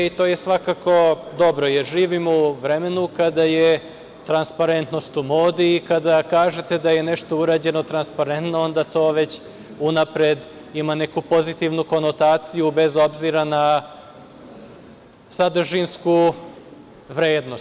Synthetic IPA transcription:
it̪o̞ːje̞sʋakako̞d̪o̞bɾo̞jeɾʒiːʋimuʋɾeme̞nukad̪aje | t̪ɾanspaɾe̞nt̪no̞st̪umo̞ːd̪iːkad̪akaːʒet̪ed̪aje̞neʃt̪o̞uɾaːd͡ʑe̞no̞t̪ɾanspaɾent̪noo̞nd̪at̪o̞ːʋe̞t͡ɕ | unapɾed̪ | imane̞kupo̞zit̪iʋnuko̞no̞t̪aːt̪sijube̞zo̞bziɾana | sad̪ʒinsku | ʋɾeːd̪nos

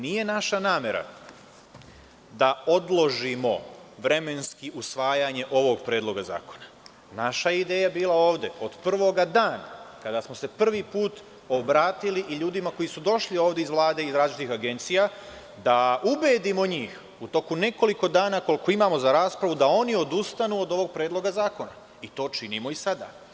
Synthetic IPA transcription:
nije̞naʃanaːme̞ɾa̰ | d̪ao̞d̪lˠo̞ʒimo̞ʋɾe̞me̞nskiʔusʋaːjaɲe̞ʔo̞ʋo̞ɡpɾe̞ːd̪lˠo̞ɡaza̰ːko̞na | naʃaid̪e̞ːjabiːlˠao̞ːʋd̪e̞o̞d̪pr̩ʋo̞ɡad̪aːnakad̪asmo̞se̞pr̩ʋipuːt̪ | o̞bɾaːt̪iliʔiʎuːd̪imako̞jisud̪o̞ʃlio̞ːʋd̪e̞izʋlˠaːd̪e̞izɾaːzlit͡ʃit̪ixaɡe̞nt̪sija | d̪aubeːd̪imo̞ɲiːx | ut̪o̞kune̞ko̞liko̞d̪aːnako̞lko̞imaːmo̞zaɾaːspɾaʋud̪ao̞nio̞d̪ust̪anuːod̪o̞ʋo̞ɡ̚pɾeːd̪lo̞ɡazaːko̞na | it̪o̞ːt͡ʃinimo̞isad̪a̰ː

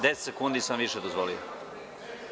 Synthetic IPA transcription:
d̪est̪sekund̪isamʋiʃed̪ozvʋolijo̰

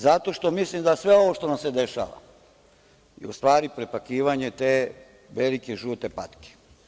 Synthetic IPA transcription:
zat̪o̞ʃt̪o̞mislimd̪asʋe̞o̞ʋo̞ʃt̪o̞namse̞d̪eʃa̰ːʋa̰ | ḭust̪ʋaːɾipɾepakiːʋaɲet̪eː | ʋelikeʒuːt̪e̞pat̪ke̥

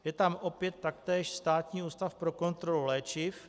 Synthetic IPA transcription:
jɛt̪amʔo̞pjɛt̪ːak̚t̪ɛːʃst̪aːt̪ɲiːuːst̪afpɾo̞ko̞nt̪ɾo̞lulɛːt͡ʃɪf

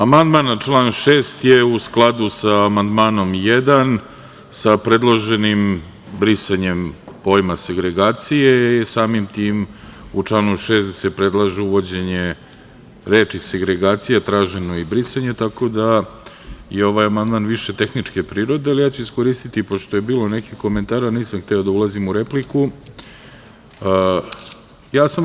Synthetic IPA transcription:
amand̪maːnat͡ʃlˠaːnʃeːst̪jeusklˠad̪usaːmand̪maːno̞mjed̪an | sapɾe̞d̪lˠoʒe̞nim | bɾisaɲe̞mpo̞ːjmaseɡɾe̞ɡaːt̪sijesaːmimt̪iːmut͡ʂlˠaːnuʃe̞ːst̪d̪asepɾe̞d̪lˠaʒeuʋo̞d͡ʑe̞ɲe | ɾe̞ːt͡ʃiseɡɾe̞ɡaːt̪sijat̪ɾaːʒe̞no̞ibɾisaɲe̞t̪ako̞d̪a | je̞o̞ʋajamand̪maːnʋiʃe̞t̪e̞xnit͡ʂke̞pɾiːɾo̞d̪ealijaːt͡ɕuisko̞ɾiːst̪it̪ipo̞ʃt̪ojebiːlo̞ne̞kixko̞ment̪aːɾaniːsamxt̪eod̪aulˠazimuɾepliku | jaːsam

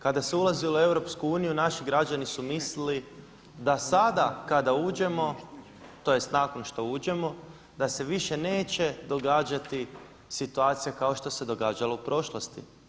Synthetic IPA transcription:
kad̪aseulazioe̞wɾo̞pskuuːnijunaʃiɡɾad͡ʒanisumislili | d̪asad̪akad̪auːd͡ʒe̞mo̞ | t̪o̞jest̪naːkonʃt̪o̞uːd͡ʒe̞mo̞ | d̪ase̞ʋiʃe̞ne̞ːt͡ɕe̞d̪o̞ɡaːd͡ʒat̪i | sit̪uaːt̪sijakao̞ʃt̪o̞se̞d̪o̞ɡaːd͡ʒaloupɾo̞ʃlˠost̪ḭ

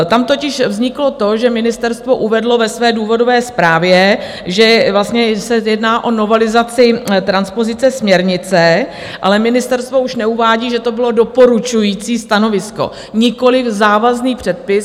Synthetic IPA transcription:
t̪amt̪o̞cɪʃvzɲɪklo̞t̪o̞ʒɛmɪnɪst̪ɛɾst̪vo̞ʔuvɛdlo̞vɛsvɛːduːvo̞do̞vɛːspɾaːvjɛ | ʒɛvlast̪ɲɛsɛjɛdnaːʔo̞no̞vɛlɪzat͡sɪt̪ɾanspo̞zɪt͡sɛsmɲɛɾɲɪt͡sɛ | ʔa̰lɛmɪnɪst̪ɛɾst̪vo̞uʃnɛuvaːɟiːʒɛt̪o̞bɪlo̞do̞po̞ɾut͡ʃujiːt͡siːst̪ano̞vɪsko̰ | ɲɪko̞lɪfzaːvazniːpr̝̥ɛt̪̚pɪs

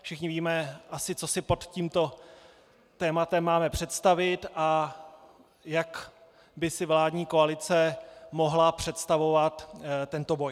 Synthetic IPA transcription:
fʃɪxɲɪviːmɛʔasɪt͡so̞sɪpo̞t̪ciːmt̪o̞ | t̪ɛːmat̪ɛmːaːmɛpr̝̥ɛt̪st̪avɪt̪ʔa | jak | bɪsɪvlaːdɲiːko̞alɪt͡sɛmo̞ɦlapr̝̥ɛt̪st̪avo̞vat̪t̪ːɛnt̪o̞bo̞j

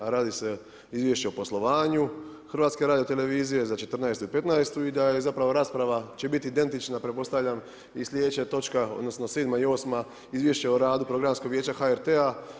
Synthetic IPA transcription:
ɾaːd̪ise̞ | izʋjeʃt͡ɕe̞opo̞slˠo̞ʋaːɲuxrʋaːt̪skeɾaːd̪ijo̞t̪e̞le̞ʋiːzije̞zat͡ʃe̞t̪rnaest̪upe̞t̪naest̪uid̪aje̞zapɾaʋo̞ɾaːspɾaʋat͡ɕe̞bit̪iːd̪e̞nt̪it͡ʃnapɾepo̞st̪aʋʎʲam | islʲjeet͡ɕat̪o̞t͡ʃkao̰d̪no̞sno̞seːd̪maio̞ːsma | izʋje̞ʃt͡ɕeoɾaːd̪upɾo̞ɡɾamskoɡʋjeːt͡ɕaxaeɾt̪ea

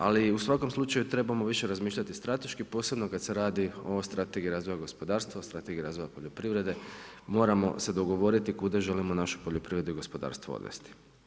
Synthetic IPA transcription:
a̰liusʋako̞mslˠut͡ʃajut̪ɾe̞bamo̞ʋiʃe̞ɾazmiːʃʎʲat̪ist̪ɾat̪e̞ʃkipo̞ːse̞bno̞kad̪se̞ɾaːd̪io̞st̪ɾat̪e̞ɡiɾaːzʋo̞jaɡo̞spo̞d̪aːɾst̪ʋast̪ɾat̪e̞ɡiɾaːzʋo̞japo̞ʎo̞pɾiʋɾe̞d̪e̞ | mo̞ːɾamo̞̰se̞d̪o̞ɡo̞ʋo̞ɾit̪ikud̪aʒe̞limo̞naʃu̥po̞ʎopɾiʋɾe̞d̪uiɡo̞spo̞d̪a̰ːɾst̪ʋo̰o̰d̪ʋḛst̪i̥

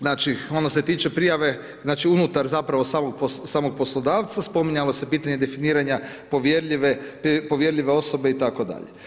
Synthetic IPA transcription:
znaːt͡ʃio̞nose̞t̪iːt͡ʃe̞pɾijaʋe̞ | znaːt͡ʃiunut̪aɾzapɾaʋo̞saːmoɡ̚posaːmoɡ̚po̞slˠod̪aːʋt̪saspo̞miɲalo̞se̞piːt̪aɲe̞d̪e̞finiːɾaɲapoʋjeɾʎiʋeppoʋje̞ɾʎʲiʋe̞o̞so̞beit̪ako̞d̪a̰ʎḛ

